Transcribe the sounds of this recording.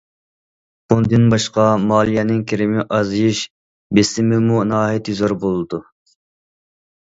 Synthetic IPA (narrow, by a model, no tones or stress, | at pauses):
bund̪ɨnbɑʃqɑmɑːlˠijɛnɪŋkʲʰeɾɪmɪʔɑzjiʃ | besɪmɪmunɑːɦɛt̪yzoɾbolˠɨd̪u